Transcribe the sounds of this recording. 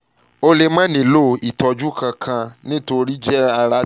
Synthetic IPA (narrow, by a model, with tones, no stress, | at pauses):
o˧le˧mã˦nĩ˨lo˦i˨tɔ˨˧d͡ʒu˦kã˧kʰã˧nĩ˦to˧ɾi˦d͡ʒɛ˦a˧ɾa˧˦